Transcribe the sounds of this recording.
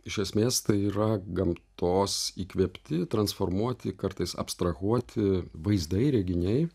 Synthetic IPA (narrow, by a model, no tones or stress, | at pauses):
ɪʃʲɛsʲmʲeːst̪ɐɪiːɾɐɡɐmt̪oːsiːkʋʲɛpʲt̪ʲɪt̪ɾɐnsfoːɾmuɔt̪ʲɪkɐɾt̪ɐɪsɐ̰pst̪ɾɐɣuɔt̪ʲɪʋɐɪzd̪ɐɪɾʲɛɡʲɪnʲɛɪ